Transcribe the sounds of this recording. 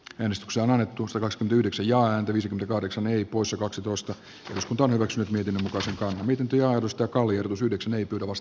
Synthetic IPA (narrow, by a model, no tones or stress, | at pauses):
æːnest̪y̥kseæonɑnːet̪ːusɑt̪ɑkɑkskyment̪æyhdeksæjjɑːæːnt̪æʋiːsekyment̪ækɑhɾeksɑneipoisjɑkɑksit̪oˑist̪ɑ | ḛroskunt̪ɑonhyʋæksynyt̪miet̪inːømukɑˑiseŋkɑnhɑmiet̪int̪øjɑːert̪ust̪æːkɑlːˑiehrot̪usyhdeksæneipyøɾæʋɑst̪